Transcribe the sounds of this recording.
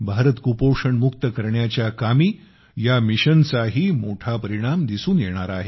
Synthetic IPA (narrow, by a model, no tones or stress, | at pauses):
bʱaɾət̪kupoʂəɳmukt̪əkəɾɳjat͡ɕjakamiː | jamiɕənt͡saɦiːmoʈʰapəɾiɽ̃amd̪isuːnjeɽ̃aɾaːɦe